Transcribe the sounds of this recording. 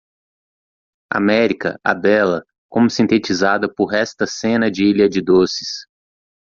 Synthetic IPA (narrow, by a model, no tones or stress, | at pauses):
a̰mɛɾikɐ̰ʔɐ̰bɛlɐ | kõmʊsĩnt̪et͡ʃizad̪ɐpʊɾɛst̪ɐsẽnɐd͡ʒɪiʎɐd͡ʒɪd̪osɪ̥s